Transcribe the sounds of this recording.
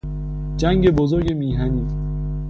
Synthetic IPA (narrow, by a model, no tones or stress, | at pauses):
d͡ʒæŋɟe̞bozoɾɟe̞miːɦæniː